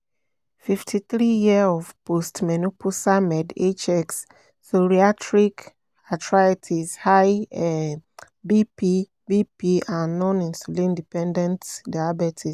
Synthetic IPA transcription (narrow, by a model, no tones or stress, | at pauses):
fiftʰiθɾijiaɔvpostmɛnupʰusamɛdet͡ʃɛks | soɾiatʰɹik | atʰɹaetʰizhaj | bipi | bipiãnːɔ̃nĩnsulĩndipɛ̃ndɛ̃ntdajabɛtʰis